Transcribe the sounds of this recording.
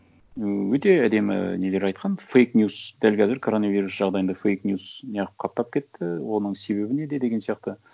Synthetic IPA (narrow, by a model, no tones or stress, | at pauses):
wɵt̪e̞æd̪e̞mɪ̰ne̞leɾɑjt̪̚qʰɑnfejknjusd̪ælkʲʰæzɪɾkʰo̞ɾo̞nɑviɾusʒ̥ɑʁd̪ɑjənd̪ɑfejknjusnijɑʁəp̚qʰɑp̚t̪ɑp̚kʲʰe̞t̪ːɪwo̞nəɴse̞βe̞bɪne̞d̪e̞d̪e̞ɡʲensijɑq̚t̪ə